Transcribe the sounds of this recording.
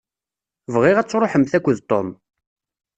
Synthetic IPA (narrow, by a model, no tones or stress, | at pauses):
vʁɪʁæt͡sːɾˤoħəmθækʷːəðt̪ˤo̰m